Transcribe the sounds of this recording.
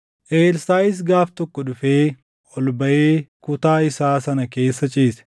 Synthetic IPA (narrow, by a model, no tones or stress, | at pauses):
ʔeːlsaːɪs̬ɡaːft̪ɔkːɔᶑʊfeː | ʔɔlbɐʔeːkʊt̪aːɪsaːsɐnɐke̞ːsːɐt͡ʃʼiːsɛ̥